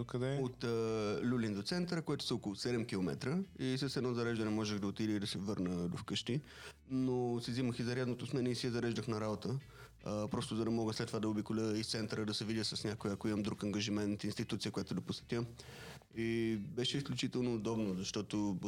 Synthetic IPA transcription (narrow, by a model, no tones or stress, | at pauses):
okɐd̪ɛot̪ːlʲulind̪ot̪sɛnt̪əɾəkojɛt̪ʊ̥sɐɔkolˠʊsɛd̪ɛmkilˠomɛ̰t̪ɾəisəsɛd̪nɔzɐɾɛʒd̪ɐnɛmɔʒɛɣd̪ɐot̪id̪ɛid̪ɐsɛvɤɾnəd̪ofkɤʃt̪i | nosiziməxizɐɾʲjad̪not̪osmɛnɛisiəzɐɾɛʒd̪əxnɐɾabot̪ə | pɾɔst̪ʊzɐd̪ɐmɔɡəslɛt̪ːovad̪ɐobikolʲəist̪sɛnt̪əɾəd̪ɐsɛvid̪ʲəsəsnʲakoiɐkoiməmd̪ɾukɐŋɡɐʒimɛnt̪inst̪it̪ut̪siəkoʊjat̪ʊd̪ɐposɛ̥t̪ʲə | ibɛʃɛisklʲut͡ʃit̪ɛlˠnoːd̪ɔbnozɐʃt̪ɔt̪o